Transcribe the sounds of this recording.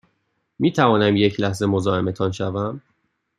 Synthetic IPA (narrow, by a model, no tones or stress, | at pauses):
miːt̪ʰævɒːnæmje̞cʰlæhze̞mo̞zɒːe̞me̞t̪ʰɒnʃævæm